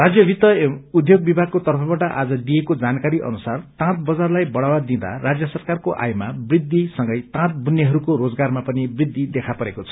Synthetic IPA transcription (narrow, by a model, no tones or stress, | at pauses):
rad͡zjʌbʱit̪ʌud̪joɡ̚bibʱaɡ̚kot̪ʌrpʰʌbaʈʌʔad͡zʌd̪ijekod͡zankaɾiʔʌ̰nusart̪ãt̪̚bʌd͡zarlajbʌɽawad̪ĩd̪a̰rad͡zjʌsʌrkarkoʔa̰jmabrid̪ːisʌŋɡʌjt̪ãt̪̚bunjeɦʌɾukoɾod͡zɡarmapʌnibrid̪ʱːid̪ekʰapʌɾekot͡sʰʌ̥